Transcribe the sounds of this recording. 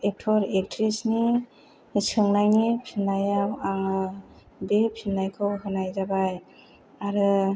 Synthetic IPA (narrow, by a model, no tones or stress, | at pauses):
ek̚tʰɔɾek̚tʰɾisni | sʰɯŋnajŋipʰinajamaŋ | bepʰinajkʰɯwɦɯnajzabaj | aɾɯ